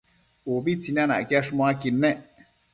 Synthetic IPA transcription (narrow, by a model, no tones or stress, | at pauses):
uβit͡sinãnã̰kjaʂmõakinẽʔ